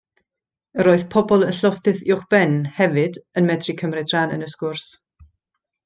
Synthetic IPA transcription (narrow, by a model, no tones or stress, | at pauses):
əɾoːɨð̥pʰɔbɔlˠənɬɔfdɨðɪʊχb̥ɛnhɛvɨdənmɛdrikʰəmrɪdranə̰nəskʊrs